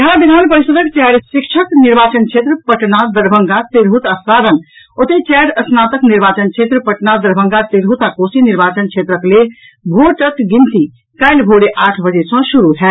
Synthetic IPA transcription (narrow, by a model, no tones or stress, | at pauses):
jɐɦãbid̪ʱaːnpəɾisət̪əkt͡ʃɛɾsɪkt͡ʃʰəkniɾbaːt͡ʃənkʰeːt̪ɾəpəʈnad̪əɾbʱəŋɡat̪eɾɦut̪asaːd̪ən | ot̪et͡ʃɛːɾəsnaːt̪əkniɾbaːt͡ʃənkt͡ʃʰet̪ɾəpəʈnad̪əɾbʱə̃ŋɡat̪eɾɦut̪akoːsiniɾbaːt͡ʃənt͡ʃʰeːt̪ɾəkle | bʱoʈək̪ɡint̪i | kaɪlbʱoɽeʔaːʈʰbəd͡ʒesə̃ʃuɾuɦɛ